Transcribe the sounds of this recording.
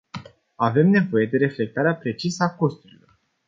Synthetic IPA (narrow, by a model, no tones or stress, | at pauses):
ave̞mne̞vo̞je̞d̪e̞ɾe̞fle̞k̚t̪aɾeapɾe̞t͡ʃisəako̞st̪uɾilo̞r